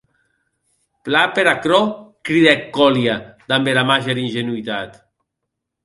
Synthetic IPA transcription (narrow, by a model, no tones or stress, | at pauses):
plapeɾakɾɔkɾiðekːɔljad̪ambeɾamaʒeɾinʒenuit̪at̪